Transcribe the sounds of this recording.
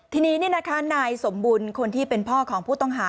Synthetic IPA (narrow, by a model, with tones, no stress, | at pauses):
t̪ʰiː˧niː˦˥niː˥˩na˦˥kʰa˦˥naː˧jso˩˦mbuː˧nkʰo˧nt̪ʰiː˥˩pe˧npʰɔː˥˩kʰɔː˩˦ŋpʰuː˥˩t̪ɔ˥˩ŋɦaː˦